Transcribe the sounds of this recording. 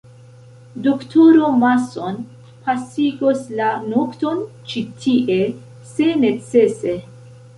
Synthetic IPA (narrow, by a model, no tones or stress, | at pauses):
doktʰoɾomason | pʰasiɡoslanokto̞n | t͡ʃitʰiʔe̞ | se̞ne̞t͡se̞se̞